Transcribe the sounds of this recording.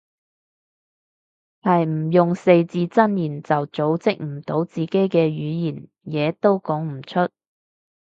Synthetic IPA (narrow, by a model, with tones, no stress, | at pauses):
hɐ˨jm̩˨˩jʊ˨ŋse˧jt͡siː˧t͡sɐ˥njiː˨˩nt͡sɐ˨wt͡so˨˥wt͡sɪ˥k̚m̩˨˩t̪o˨˥wt͡siː˨ke˨˥jkɛː˧ɥyː˨˧jiː˨˩n | jɛː˨˧t̪o˥wkɔː˨˥ŋm̩˨˩t͡ʃʰɵ˥t̚